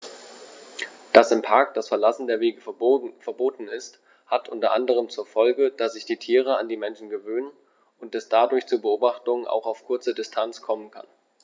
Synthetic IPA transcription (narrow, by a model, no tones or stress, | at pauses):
d̥asɪmpʰaɐk̚d̥asfɛɐlasn̩deːɐveːɡəfɛɐboːtn̩ɪst | hatʔʊntɐʔandəʁ̞əmt͡suːɐfɔlɡəd̥asz̥ɪçd̥iːtʰiːʁ̞əandiːmɛnʃn̩ɡəvøːnən | ʔʊntɛsd̥adʊɐçt͡suːbəʔoːbaχtʊŋna̰ʊxaʊfkʰʊɐt͡sədɪstʰant͡skʰɔmənkʰa̰n